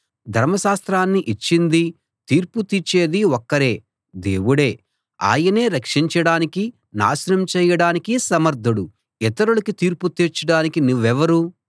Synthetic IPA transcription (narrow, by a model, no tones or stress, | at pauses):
d̪ʱɐɾmɐʃaːst̪ɾaːnːiʔit͡ʃːind̪i | t̪iːɾput̪it͡ʃːe̞ːd̪iɔkːɐɾe̞ː | d̪e̞ːwuɽeː | a̰ːjɐne̞ːɾɐkʂiɲt͡ʃɐɽaːniki | na̰ːʃɐɾɐmt͡ʃɛːjɐɽaːnikisɐmɐɾd̪ʱɐɽu | it̪ɐɾulɐkit̪iːɾput̪iɾt͡ʃːɐɽaːnikinuʋːɛʋɐɾu